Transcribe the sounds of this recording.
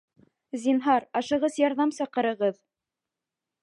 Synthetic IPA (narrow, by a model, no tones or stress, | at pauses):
zinɦɑɾɑʃɤ̆ʁɤzjɑɾðɑmsɑqɤ̆ɾɤ̆ʁɤð